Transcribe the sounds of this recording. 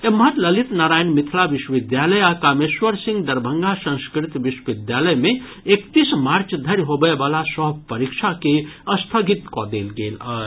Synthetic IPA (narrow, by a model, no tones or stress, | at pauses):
emɦəɾləlit̪naɾaːjnmit̪ʰlabiʃwəʋid̪jaləjakameswəɾsĩŋɡd̪əɾbʱəŋɡasə̃ŋskɾit̪biʃwəʋid̪jaləjme | ekt̪ismaɾt͡ʃʰd̪ʱəɾɦobəebalasəɦpəɾikt͡ʃʰakeəst̪ʰəɡit̪kɔd̪elɡelə